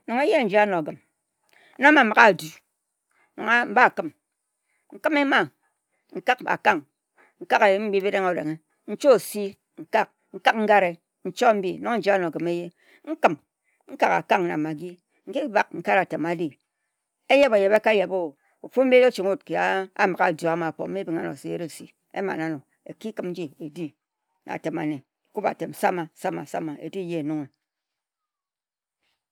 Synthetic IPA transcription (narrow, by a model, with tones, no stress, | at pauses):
nɔ˨ŋe˦je˦n̩˨˦d͡ʒi˨˦a˦no˨ɡɨ˨m˦ | no˦ma˨m˨ɣa˦˨du˨˦ | no̰˨ŋa˦m̩˦ba˦˨kɨ˦m | ŋ̩˦kɨ˦me˦ma˨ | ŋ̩˨ka˦ka̰˨ka˦ŋ | ŋ̩˦ka˦ka˨je˨˦m̩˦ɡ͡bi˦bi˦ɾe˦ŋo˦˨ɾḛ˨ŋe˦ | n̩˦t͡ʃo˦˨si˦ | ŋ̩˨ka˦˨k̚ | ŋ̩˦ka˦kŋ̩˦ɡa˦ɾe˨ | n̩˦t͡ʃɔ˦m̩˦bi˦nɔ˦ŋ˦n̩˦d͡ʒi˦a˦no˨ɡɨ˨me˦je˦ | ŋ̩˦kɨ˨m | ŋ̩˦ka˦ka̰˨ka˦ŋna̰˨ma˨ɡi˦ | ŋ̩˦ki˦ba˨k̚ŋ̩˨ka˦ɾa˨te˨ma˨˦di˦ | e˦je˦ba˨je˨ba˦ka˦je˨bo˦ | u˨fu˦m̩˦bi˦e˦t͡ʃi˨ŋu˦˨t̚ki˨a˨a̰˨ma˨ɣa˨do˨a˨ma˨k͡po˨m̩˦i˦bi˨ŋa˦no̰˨se˦jḛ˦ɾe˦˨si˨ | ḛ˦ma̰˨na˦no˨ | ḛ˨ki˦kɨ˦mn̩˦d͡ʒi˦e˨di˦ | na̰˨te˨ma̰˨ne˨ku˦ba̰˨te˨m˨sa˦ma˨sa˦ma̰˨sa̰˦ma˨ḛ˨di˦je˦e˨nu˦ŋe˨